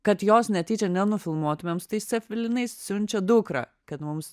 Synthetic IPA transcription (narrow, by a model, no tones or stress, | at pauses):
kɐt̪joːsnʲɛt̪ʲiːt͡ʃʲɛnʲɛnʊfʲɪlˠmuɔt̪ʊmʲemst̪ɐɪssʲɛfʲʋʲɪlʲɪnɐɪssʲʊnʲt͡ʃʲɛd̪ʊkɾɐ̰ː | kɐt̪mʊms